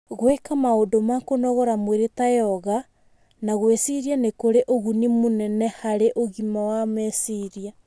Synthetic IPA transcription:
ɣwekamaodomakonɔɣɔɾamweɾetajɔɣa | naɣwesiɾianekoɾeʔoɣunimonɛnɛhaɾeʔoɣimawamɛsiɾia

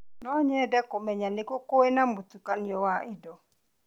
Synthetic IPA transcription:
nɔɲɛdɛkomɛɲanekokoenamotukaniɔwaʔidɔ

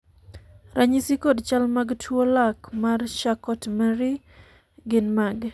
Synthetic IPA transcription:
ɾaɲisikodt͡ʃalmaɡtʰwolakmarʃakɔtmɛɾi | ɡɪnmaɡ

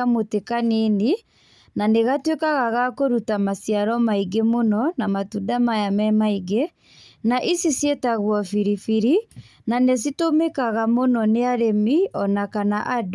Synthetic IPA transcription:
amotekanini | naneɣatwekaɣaɣakoɾutamasjaɾɔmaiɡemonɔnamatudamajamɛmaiɡe | naʔisisjetaɣwɔfiɾifiɾi | nanes̬itomekaɣamonɔneaɾemiɔnakanaʔad

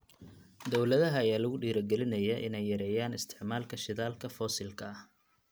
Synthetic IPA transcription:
d̪ɔwlɐðɐɦɐɐjaːlɐɣʊɖiːɾɐɡɛlɪnɐjɐʔɪ̰nɛjːɐɾɛːjaːnɪst̪ʰɪ̥ʕmaːlkʰɐʃɪðaːlkʰɐfɔːsɪlkʰɐɐh

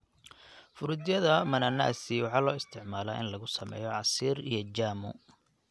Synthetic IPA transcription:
fʊɾʊd̪jɐðɐmɐnɐna̰ːsiwɑħɑːlɔːɪst̪ʰɪʕmaːlaːʔɪnlɐɣʊsɐmɛ̰ːjɔʕɑsiːɾḭjɔd͡ʒaːmʊ̰

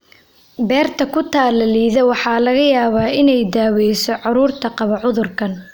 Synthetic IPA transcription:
bɛːrt̪ʰɐkʰʊt̪ʰaːlɐliːðɛwɑħɑːlɐɣɐjaːβaːɪnɛjd̪aːwɛjsɔʕɑɾuːrt̪ʰɐqɑβɐʕʊðʊrkʰɐn

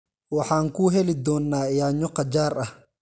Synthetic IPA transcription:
wɑħɑːŋkʰuːɦɛlɪd̪ɔːnːaːjaːɲɔqɐd͡ʒaːrɐh

